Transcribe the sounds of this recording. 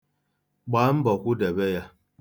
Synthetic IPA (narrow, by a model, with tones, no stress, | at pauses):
ɡ͡baː˨˦m̩˦bɔ˨kʷu˦de˨be˦ja˦